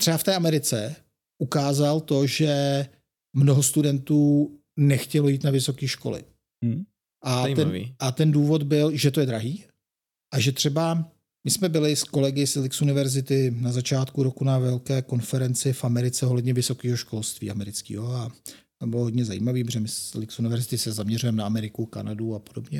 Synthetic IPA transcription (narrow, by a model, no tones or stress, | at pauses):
t̪r̥ɛbaft̪ɛːamɛɾɪt͡sɛ | ʔukaːzalt̪o̞ʒɛ | mno̞ɦo̞st̪udɛnt̪uː | nɛxcɛlo̞jiːt̪navɪso̞kiːʃko̞̰lɪ̰ | ʔaɛnvḭʔat̪ɛnduːvo̞d̪bɪlʒɛt̪o̞jɛd̪ɾaɦiː | ʔaʒɛt̪r̥ɛba | mɪsmɛbɪlɪsko̞lɛɡɪslɪksunɪvɛɾzɪt̪ɪnazat͡ʃaːt̪kuɾokunavɛlkɛːko̞nfɛɾɛnt͡sɪfʔamɛɾɪt͡sɛoɦlɛdɲɛvɪso̞kiːɦo̞ʃko̞lst̪vḭːʔamɛɾɪt͡skḭːɦoa | t̪obɪloɦodɲɛza̰jḭːmaviːpʒɛmɪslɪksunɪvɛɾzɪt̪ɪsɛzamɲɛrujɛmɛnaamɛɾɪkuka̰naduapodo̞bɲɛ